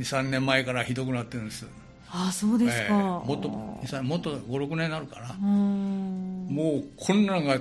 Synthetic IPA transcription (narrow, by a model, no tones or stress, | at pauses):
ɲisãnːẽ̞mːaekaɾaçid̪o̞k̬ɯnat̪ːeɯ̃nesɨ | asoːd̪eseɨkamot̪ːoɲisãmot̪ːoɡo̞ɾo̞kɯ̟nẽ̞nːaɾɯ̟kaɾã | moːkʰõ̞nːãŋɡa